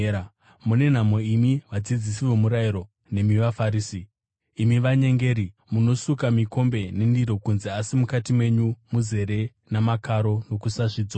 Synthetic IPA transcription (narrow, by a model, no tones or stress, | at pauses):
mune̞n̤amo̞imiʋad͡zid͡zisiʋo̞muɾaiɾo̞ | ne̞miʋafaɾiːsiː | miʋaɲe̞ŋɡe̞ːɾi | muno̞sukamiko̞mbe̞ne̞ndiɾo̞kunzeasimukatimwe̞ɲumuze̞ɾe̞ | namakaɾo̞no̞kusaʂiːd͡zo